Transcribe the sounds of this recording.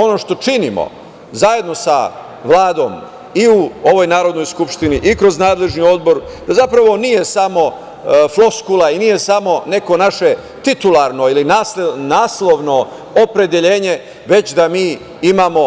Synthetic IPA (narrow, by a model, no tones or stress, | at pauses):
o̞no̞ʃt̪o̞t͡ʃinimo̰ | zaje̞d̪nosa̰ | ʋlˠaːd̪o̞̰ːm | iuoʋo̞jnaːɾod̪no̞jskupʃt̪iniʔikɾoznaːd̪le̞ʒnio̞d̪bo̞ɾd̪azapɾaʋo̞nije̞samo̞ | flo̞skulˠainije̞samo̞ne̞ko̞naʃe̞ | t̪it̪ulaɾno̞ilinasnaːslˠo̞ʋno̞ | opɾe̞d̪e̞ʎe̞ːɲe̞ | ʋe̞t͡ɕd̪amiː | imaːmo̞